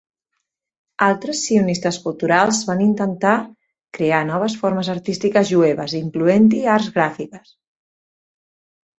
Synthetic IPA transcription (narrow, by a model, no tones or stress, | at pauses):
alˠt̪ɾəsːiunist̪əskulˠt̪uɾalˠzβanint̪ənt̪a | kɾeanɔβəsfoɾməzəɾt̪ist̪ikəzʒueβ̞əziŋkluent̪̬iaɾzɣɾafikəs